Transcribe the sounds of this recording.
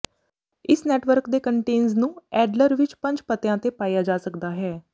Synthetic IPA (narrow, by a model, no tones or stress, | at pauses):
ɪsnɛːʈʋəɾkd̪eːkəɳʈeːnznũːɛːɖləɾʋɪt͡ʃpə̃ɲd͡ʒpət̪ɪjãːt̪eːpaːjaːd͡ʒaːsəkd̪aːɦɛː